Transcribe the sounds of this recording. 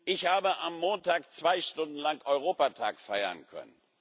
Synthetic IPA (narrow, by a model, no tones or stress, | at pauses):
ʔɪçhaːbəʔamːoːntaːkt͡sv̥aɪʃtʊndn̩laŋkʔɔʏʁoːpatʰa̰ːkfaɪɐ̰nkʰœ̰nən